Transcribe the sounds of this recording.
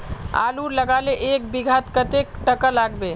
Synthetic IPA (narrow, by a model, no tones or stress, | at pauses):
a̰luɾləɡaleʔek̚biɡʱat̪kət̪ek̚ʈəkəlaɡbe